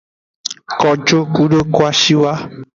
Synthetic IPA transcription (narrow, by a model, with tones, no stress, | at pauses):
kɔ˨d͡ʒo˦ku˦ɖo˦kwa˦ʃi˦wa˦